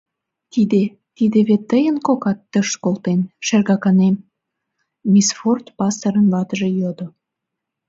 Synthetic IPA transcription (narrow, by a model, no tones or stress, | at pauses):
t̪id̪e | t̪id̪eβet̪ːəjənkokɑt̪ːəʃkolt̪enʃerɣɑkɑnem | misfort̪pɑsəɾənlɑt̪əʒejod̪o